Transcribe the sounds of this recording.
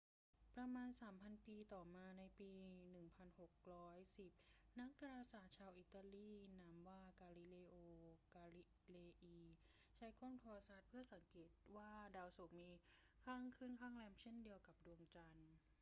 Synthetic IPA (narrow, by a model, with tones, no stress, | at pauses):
pɾa˧maː˧nsaː˩˦mpʰa˧npiː˧t̪ɔː˨˩maː˧na˧jpiː˧nɯ˨˩ŋpʰa˧nho˨˩k̚ɾɔː˦˥jsi˨˩p̚na˦˥k̚da˧ɾaː˧saː˨˩˦t̪̚t͡ɕʰaː˧wʔiː˧˩t̪ːa˧liː˥˩na˦˥mwaː˥˩kaː˧li˨˦˩leː˧ʔoː˧kaː˧li˦˧ | leː˧ʔiː˧ | t͡ɕʰa˦˥jkoː˥˩ŋt̪ʰːsaː˨˦˩t̪̚pʰɯ˥˩ɐsa˨˩˦ŋkeː˨˩t̪̚waː˥˩daː˧wso˨˩k̚miː˧kʰaː˥˩ŋkʰɯː˥˩˨nkʰaː˥˩ŋlɛː˧mt͡ɕʰe˥˩ndi˧əwka˨˩p̚du˧əŋt͡ɕa˧n